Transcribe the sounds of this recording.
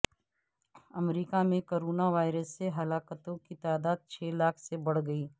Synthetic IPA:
ɐmɾiːkamẽkoːɾoːnaʋaːɪɾəsːeɦɐlaːkət̪õkit̪aːd̪aːd̪̚t͡ʃʰeːlaːkʰsebɐɽ̤ɡɐiː

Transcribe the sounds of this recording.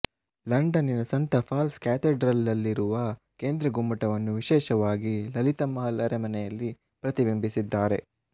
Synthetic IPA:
lɐɳɖɐninɐsɐnt̪ɐpʰaːlskaːt̪eɖɾɐlːɐlːiɾuʋɐ | ke̞ːnd̪ɾɐɡumːɐʈɐʋɐnːuʋiʃɛːʃɐʋaːɡilɐlit̪ɐmɐɐlɐɾemɐnɛjɐlːi | pɾɐt̪ibimbisid̪ːaːɾe̞

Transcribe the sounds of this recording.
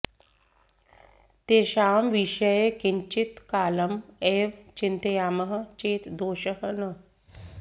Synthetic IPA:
t̪eɕaːmʋiɕəjekiɲt͡ɕit̪kaːləmeʋt͡ɕint̪ejaːməɦət͡ʃeːt̪d̪oːɕəɦənə

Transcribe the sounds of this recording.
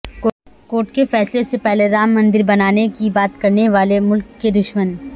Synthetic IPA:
koːʈkefɛːslesepɛɦleɾaːmːɐ̃nd̪ɪɾbɐnaːnekibaːt̪kɐɾneʋaːlemʊlkːed̪ʊʃmən

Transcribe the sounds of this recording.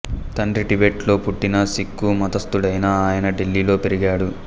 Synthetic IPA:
t̪ɐɳɖɾiʈibeʈlo̞ːpuʈːinɐsikːumɐd̪ɐst̪uɽɐjnaːaːjɐnɐɖelːiːlo̞ːpe̞ɾiɡaːɽu

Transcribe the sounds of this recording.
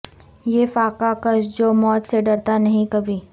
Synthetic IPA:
jeːfaːkakəʃd͡ʒoːmɔːt̪seɖɐɾt̪anɐɦĩkɐbʱiː

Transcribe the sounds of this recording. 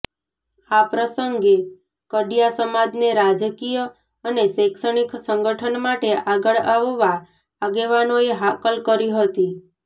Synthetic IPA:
apɾəsəŋɡe | kəɖijasəmad͡ʒneɾad͡ʒəkijə | əneʃekʃəɽ̃iksəŋɡəʈʰənmaʈeʔaɡəɭaʋʋaː | ɡeʋanoeɦakəlkəɾiɦət̪i

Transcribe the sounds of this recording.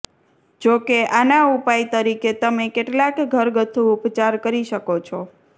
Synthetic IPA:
d͡ʒokeʔanaupajt̪əɾiket̪əmekeʈlakɡʱəɾɡət̪ʰːuʊpt͡ʃaɾkəɾiʃəkot͡ʃʰo

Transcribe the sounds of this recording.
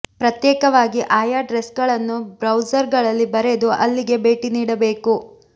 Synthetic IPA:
pɾɐt̪jɛːkɐʋaːɡiʔaːjaɖɾesɡɐɭɐnːubɾɐwd͡ʒɐɾɡɐɭɐlːibɐɾe̞d̪uʔɐlːiɡe̞be̞ːʈiniːɽɐbe̞ːku

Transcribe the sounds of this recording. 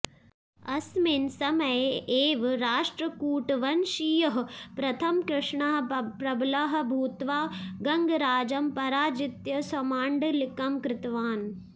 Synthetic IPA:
ɐsmensɐmɐjeːʋɾaːʂʈɾɐkuːʈʋɐnʃijɐɦpɾɐt̪ʰɐmkɾɪʂɳaɦpɾɐblaɦɐ̆bʱuːt̪ʋaːɡɐŋɡɾaːd͡ʒɐmpɐɾaːd͡ʒɪt̪jɐsɐmaːɳɖlɪkɐmkɾɪt̪ʋaːn

